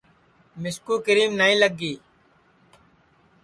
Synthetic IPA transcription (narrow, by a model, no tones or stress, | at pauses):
mɪskuːkəɾiːmnaĩːləɡːiː